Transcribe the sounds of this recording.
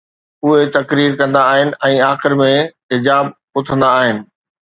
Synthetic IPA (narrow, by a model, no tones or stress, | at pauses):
ʊɦet̪ɐkɾiːɾkɐ̃nd̪aːɦɪnɪ̆ʔɛ̃ːaːxɪɾmẽɦɪd͡ʑaːb | ʊt̪ʰə̃nd̪aːɦɪnɪ̆